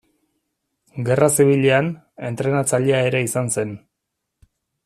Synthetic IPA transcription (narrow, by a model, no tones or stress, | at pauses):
ɡe̞rasiβ̞iʎean | e̞nt̪ɾe̞nat͡saʎeae̞ɾe̞isanse̞n